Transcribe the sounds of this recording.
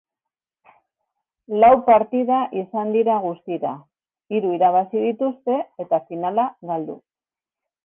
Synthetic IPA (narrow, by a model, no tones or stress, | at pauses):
lawpaɾt̪iðaʔisand̪iɾaɣust̪iɾa | iɾuiɾaβ̞asiðit̪ust̪e̞et̪afinalaɣald̪ṵ